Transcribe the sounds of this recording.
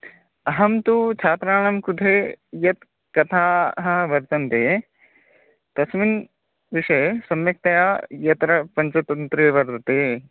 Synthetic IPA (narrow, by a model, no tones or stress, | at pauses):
ɐɦɐmt̪ut͡ʃʰaːt̪ɾaːɳɐmkud̪ʰʱejɐt̪ | kɐt̪ʰaːɦɐ̆ʋɐɾt̪ɐnt̪eː | t̪ɐsmin | ʋiʃɐjsɐmjɐk̚t̪ɐjajɐt̪ɾɐpɐɲt͡ʃɐt̪ɐnnt̪ɾiʋɐɾt̪ɐt̪eː